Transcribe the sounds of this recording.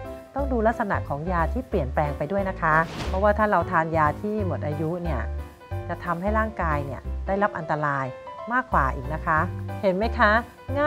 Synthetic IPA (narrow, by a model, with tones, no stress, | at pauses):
t̪ɔ˥˩ŋduː˧la˦˥k̚sa˧na̰˨˩kʰɔː˩˦ŋjaː˧t̪ʰiː˥˩pli˨˩ənplɛː˧ŋpa˧jdu˥˩əjna˦˥kʰa˦˥pʰɔ˦˥waː˥˩t̪ʰaː˥˩ɾa˧wt̪ʰaː˧njaː˧t̪ʰiː˥˩mo˨˩t̪̚ʔaː˧ju˦˥ʔni˥˩ɐ | t͡ɕa˨˩t̪ʰa˧mha˥˩jɾaː˥˩ŋkaː˧jni˥˩ɐdaː˥˩jɾa˦˥p̚ʔa˧nt̪a˧ɾaː˧jmaː˥˩kːwa̰ː˨˩ʔiː˨˩k̚na˦˥kʰa˦˥he˩˦nma˦˥jkʰa˦˥ | ŋa˥